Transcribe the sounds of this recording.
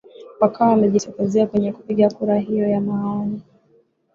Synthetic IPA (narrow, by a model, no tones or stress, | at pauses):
wakaːamɛʄitɔkuziakwɛɲɛku̥piɠakuɾaɦijɔjamaɔni